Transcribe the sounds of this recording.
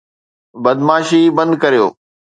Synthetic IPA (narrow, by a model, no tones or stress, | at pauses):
bɐd̪maːʃibɐ̃nd̪kɐɾijo̰ː